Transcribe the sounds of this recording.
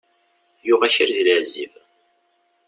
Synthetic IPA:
juʁæʃiɾðiləʕziv

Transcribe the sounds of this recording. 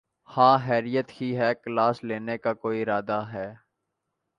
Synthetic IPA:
hãːɦɛːɾijət̪kiɦɛːklaːsleːnekakoːiɪɾaːd̪aɦɛː

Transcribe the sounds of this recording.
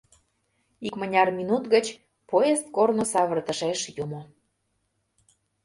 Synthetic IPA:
ikmənʲɑrmʲinut̪ɣət͡ɕ | poest̪̚kornosɑβərt̪ə̆ʃeʃjumo

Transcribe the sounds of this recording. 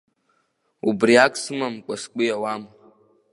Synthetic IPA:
ubriakʷʼsɨmamkʷʼaskʷʼʊjawama

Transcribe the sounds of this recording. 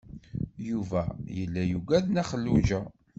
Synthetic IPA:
juvæjəlːæjuɡʷæðnæχəlːuʒæ

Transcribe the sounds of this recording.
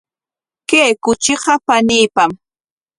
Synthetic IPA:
keːkʊt͡ʃɪɢɑpaniːpam

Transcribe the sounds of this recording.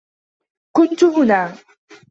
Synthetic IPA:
kʊnt̪ʊhʊnaː

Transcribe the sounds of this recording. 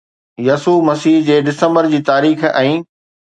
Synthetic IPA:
jɐsuːmɐsiːɦd͡ʑeːɖɪsə̃mbəɾd͡ʑiːt̪aːɾiːxɛ̃ː

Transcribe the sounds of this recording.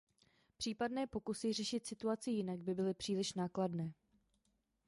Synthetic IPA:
pr̝̥iːpadnɛːpo̞kusɪrɛʃɪt̪sɪt̪uat͡sɪjɪnaɡ̚bɪbɪlɪpr̥iːlɪʃnaːkladnɛː

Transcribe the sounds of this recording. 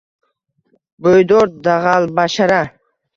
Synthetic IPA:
bojd̪oɾd̪aʁalˠbaʃaɾa

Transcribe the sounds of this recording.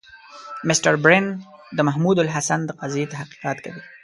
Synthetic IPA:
mɪsʈaɾbɾend̪əmaɦmud̪alɦasand̪əqɑzjet̪ahqi̥qɑt̪kawi

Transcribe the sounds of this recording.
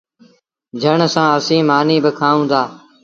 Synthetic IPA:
d͡ʒʱəɳsãːəsĩːmaːniːbəkʰaːũːd̪aː

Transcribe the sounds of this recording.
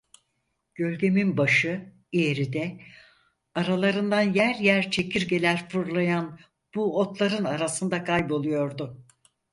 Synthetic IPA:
ɟ̥ø̞lʲɟe̞minbaʃɯ | ije̞ɾid̪ɛ | aɾalˠaɾɯnd̪anjæɾjæɾt͡ʃʰe̞cʰiɾɟe̞lʲæɾfuɾlˠajan | b̥uo̞t̪lˠaɾɯnaɾasɯnd̪akʰajbo̞lˠujo̞ɾd̪ʊ

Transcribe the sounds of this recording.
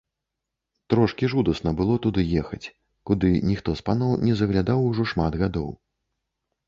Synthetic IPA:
t̪ɾɔʂkʲiʐud̪ɐsnɐbɨlˠɔt̪ud̪ɨjɛxɐt͡sʲ | kud̪ɨnʲixt̪ɔspanɔwnʲɛzɐɣlʲad̪awuʐɔʂmad̪ɣad̪ɔ̰w

